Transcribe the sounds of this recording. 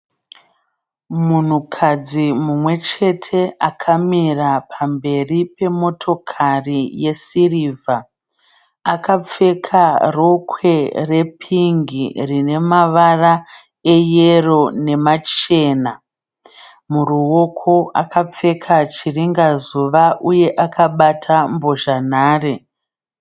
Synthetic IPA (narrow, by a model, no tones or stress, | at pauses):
mun̤ukʰad͡zimumwe̞t͡ʃe̞tʰe̞akʰamirapʰambe̞ripe̞mo̞tʰo̞kʰarije̞siriːvʱa | akap͡fe̞kʰaro̞kwe̞re̞pʰiŋɡirine̞maʋara | ejero̞ne̞mat͡ʃe̞ːna | muruwo̞kʰo̞akʰap͡fe̞kʰat͡ʃiriŋɡazuʋaʔuje̞ʔakʰaɓatʰambo̞ʒanaːre